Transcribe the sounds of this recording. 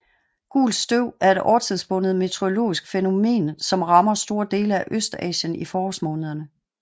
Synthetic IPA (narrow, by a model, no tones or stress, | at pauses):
ɡ̥ṵːlsd̥øʊ̰æɐe̝d̥ɒ̰ːɐt͡sʰeðˠsb̥ɔ̽nð̩ˠme̝t͡sʰeo̝lo̝̰ːisɡ̥feno̝me̝̰ːnsɒ̽mʁɑ̈mɐsd̥o̝ːɐd̥e̝̰ːləæʔøsd̥ɛ̰ːɕənifɒːɒsmɔ̽ːnəð̞ˠɐnə